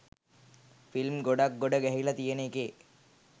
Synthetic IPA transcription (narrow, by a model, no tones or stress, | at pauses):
filmɡoɖak̚ɡoɖəɡɛɦilɐt̪ijeneke